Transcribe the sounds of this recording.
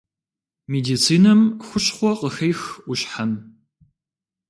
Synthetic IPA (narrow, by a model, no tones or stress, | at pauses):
meːdiːt͡sʰiːnɐmxʷʊɕχʷɔqəxɐjxʔʷʊɕħan